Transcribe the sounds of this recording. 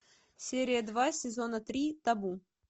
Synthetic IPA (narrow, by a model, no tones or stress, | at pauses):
sʲeɾʲɪjəd̪vasʲɪzonət̪ɾʲit̪ɐbu